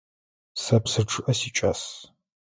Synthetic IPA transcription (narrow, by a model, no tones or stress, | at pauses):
sɐpsɨʈ͡ʂʰʼɨʔɐsiːt͡ʃʼaːs